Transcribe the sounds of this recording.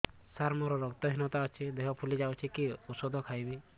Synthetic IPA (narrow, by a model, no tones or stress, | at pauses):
saɾmɔɾɔɾɔɡt̪ɔɦinɔt̪aɔt͡ʃʰid̪eɦɔpʰulid͡ʒawt͡ʃʰikiusɔd̪ʱɔkʰajbi